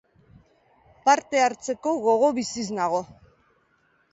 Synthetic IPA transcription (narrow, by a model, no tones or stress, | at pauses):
paɾt̪e̞aɾt͡se̞ko̞ɣo̞ɣ̞o̞βisiznaɣ̞o̞